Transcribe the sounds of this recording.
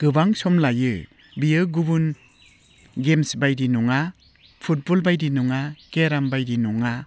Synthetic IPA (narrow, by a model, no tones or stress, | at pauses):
ɡ̥ɯbaŋsɔmlajɯ | bijɯɡubun | ɡemsbajdinɔŋa | pʰut̚bɔlbajdinuŋakeɾambajdinɔŋa